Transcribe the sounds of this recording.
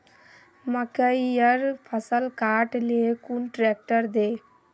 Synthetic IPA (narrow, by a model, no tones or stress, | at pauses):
məkəijəɾpʰəsəlkaːʈlekunʈɾek̚ʈəɾd̪eː